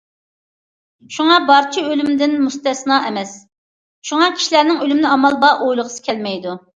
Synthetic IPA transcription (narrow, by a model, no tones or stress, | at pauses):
ʃuŋɑbɑɾt͡ʃʰiølymd̪ɪnmust̪ɛsnɑʔɛmɛs | ʃuŋɑkʲʰi̥ʃilæɾnɪŋølymɪnɪɑmɑlˠbɑʔojlˠəʁəsɨ̥kʲʰɛlmɛjd̪u